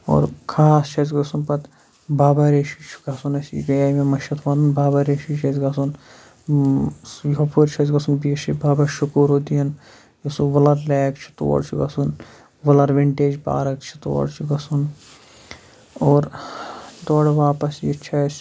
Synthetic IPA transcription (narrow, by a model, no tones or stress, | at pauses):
o̰ːɾkʰaːst͡ʃʰɐt͡ʃ̬ɡɐsunpɐt̪ | baːbaɾeːʃit͡ʃʰu̥ɡɐsunɐsḭɡɐjaːmemɐʃɐt̪ʰʋɐnɐnbaːbɐɾeʃit͡ʃʰɐzɡɐsun | jɐpʰuɾt͡ʃʰɐzɡɐsunbiːʃibaːbɐʃukuːɾod̪ijɐn | jɐsuʋɐlɐɾleːkt͡ʃʰi̥t̪o̰ːɽt͡ʃʰuɡɐsun | ʋɐlɐɾʋiɳʈeːd͡ʒba̰ːɾɐkt͡ʃʰi̥t̪o̰ːɽt͡ʃʰiɡɐsun | oːɾ | d̪oːɽʋaːpɐsjit͡ʃʰɐs